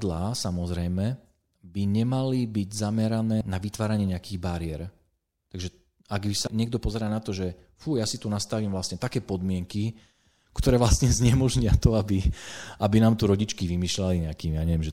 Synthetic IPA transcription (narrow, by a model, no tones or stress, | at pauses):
d̪laːsamɔzɾɛjmɛ | biɲɛmalibiɟzamɛɾanɛːnaʋit̪ʋaːɾaɲɪɛɲɛakiːɣbaɾɪɛɾ | t̪aɡʒɛ | aɡbisaɲɪɛɡd̪ɔpɔzɛɾaːnat̪ɔʒɛ | fujasit̪unast̪aʋiːmvlast̪ɲɛt̪akɛːpɔd̪mɪɛŋki | kt̪ɔɾɛːʋlastɲɛzɲɛmɔʒɲɪat̪ɔabiabinaːmt̪uɾɔɟit͡ʃkiʋimiːʃlaliɲɛakiːmijaːɲɛʋjɛmʒɛ